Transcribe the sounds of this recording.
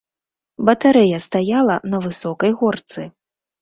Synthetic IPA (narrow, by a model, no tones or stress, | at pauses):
bɐt̪aɾɛjɐst̪ajalˠɐnɐvɨsɔkɐjɣɔrt̪sɨ